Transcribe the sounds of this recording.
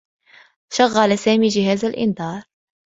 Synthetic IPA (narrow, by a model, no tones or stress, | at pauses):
ʃaɣːalasaːmiːd͡ʒɪɦaːzalʔɪ̰nd̪ɑːɾˤ